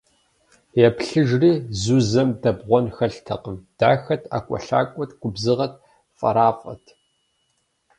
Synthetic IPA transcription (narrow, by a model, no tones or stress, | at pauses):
jɛpɬɨʒriːzuzɐmdɐbʁʷɔnxɐɬtʰɐqəmd̥aːxɐtʰa̰ːkʷʼɔ̰ɬa̰ːkʷʼɔtʰɡ̥ʷʊbzɨʁɐt̚ʰ | fʼɐ̰ɾaːfʼɐ̰tʰ